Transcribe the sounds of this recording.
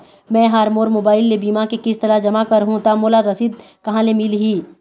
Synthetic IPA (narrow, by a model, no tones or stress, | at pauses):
mɛ̃ːɦaːɾmoːɾmoːbaːɪlːebiːmakekɪst̪ɐlad͡ʒɐmakɐɾɦũt̪amoːlaɾɐsiːd̪̚ | kɐɦãlemɪlɦiː